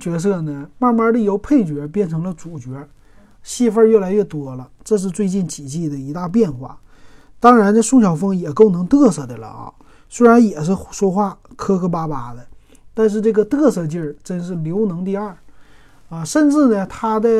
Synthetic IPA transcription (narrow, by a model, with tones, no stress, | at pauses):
t͡ɕɥɛ˧˥s̬ɤ˥˩nə˩ma˥˩ma˥d̪ə˧jo˧˥ʊpʰe˥˩ɪt͡ɕɥɛ˧˥p̬jɛ˥˩nʈ͡ʂʰɤ˧˥ŋlə˧ʈ͡ʂu˨˩t͡ɕɥɛ˧˥ | ɕi˥˧fə˥˧ɥɛ˥˩la˧˥ɪɥɛ˥˩t̪wɔ˥lə˧ʈ͡ʂɤ˥˧ʂ̬ɻ̩˥˧t͡swe˥˧ɪt͡ɕi˥˩nt͡ɕʰi˨˩t͡ɕi˥˩d̪ə˩i˧˥t̪a˥˧p̬jɛ˥˧nxwa̰˥˩ | t̪ɑ˥ŋɻa˧˥nə˧ʂu˥˩ŋɕjɑ˨˩ʊfɤ˥ŋjɛ˨˩ko˥˩ʊnɤ˧˥ŋt̪ɤ˥˧sɤ˥˩d̪ə˩lə̰˨˧˩ | swe˥ɪɻa˧˥njɛ˨˩ʂ̬ɻ̩˥˩ʂwɔ˥xwa˥˩kʰɤ˥kʰɤ˥pa˥pa˧˥d̪ə˨ | t̪a˥˧nʂ̬ɻ̩˥˧ʈ͡ʂɤ˥˩ɡə˩t̪ɤ˥˧sɤ˥˧t͡ɕji˥˩ʈ͡ʂə˥nʂɻ̩˥˩ljo˧˥ʊnɤ˧˥ŋt̪i˥˧ɐ˞˥˩ | ə˧ʂə˥˧nʈ͡ʂɻ̩˥˩nə˩t̪ʰa˥d̪ə˧